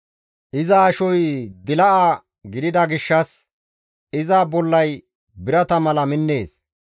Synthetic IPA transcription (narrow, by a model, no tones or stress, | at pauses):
ʔɪzɐːʃɔjd̪ɪlɐʔaː | ɡɪd̪ɪd̪ɐɡɪʃːɐs | ɪzaːbɔlːɐj | bɪɾɐt̪ɐmɐlɐmɪnːe̞ːs